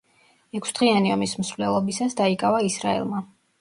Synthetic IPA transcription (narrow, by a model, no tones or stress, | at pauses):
ɛkʷʰsd̪̥ʁianiɔmism̩sɾlɛlˠɔbisasd̪aikʼavaisɾa̰ɛ̰lˠma